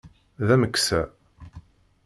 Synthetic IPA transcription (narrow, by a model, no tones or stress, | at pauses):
ðæməksæ